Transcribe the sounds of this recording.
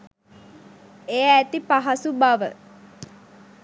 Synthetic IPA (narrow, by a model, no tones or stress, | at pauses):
ejːt̪ipaɦasubaʋə